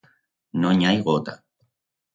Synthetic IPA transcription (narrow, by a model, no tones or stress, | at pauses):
noɲajɢot̪a